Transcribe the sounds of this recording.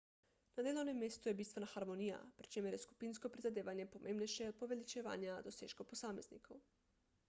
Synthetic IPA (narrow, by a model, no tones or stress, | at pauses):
nad̪eːlownemːeːst̪ujebiːst̪ʋenaxaɾmonija̰pɾi̥t͡ʃeːmeɾjesku̥pinskopɾizad̪eːʋanjepomʔeːmbnejʃɛod̪̚poʋelit͡ʃeʋa̰ːnjad̪oseːʃkoposaːmeznḭkʰow